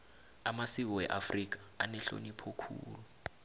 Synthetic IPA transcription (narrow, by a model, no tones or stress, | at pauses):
amasik̬ɔwɛʔafrik̬ḁanɛɬo̰nipʰɔkʰṵːlu